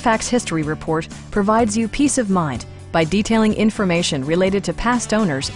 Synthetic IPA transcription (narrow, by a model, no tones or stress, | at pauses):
fæk̚shɪstɹ̥iɹɨpʰɔɹt̚ | pʰɹ̥ɨvaɪdzjɨpʰisʌvmãɪ̃n | b̥aɪditʰeɪlˠɪ̃ŋʔɪ̃ɱfə˞meɪʃɨ̃nɹɨleɪɾɨd̚tʰɨpʰæstõʊ̃nə˞z̥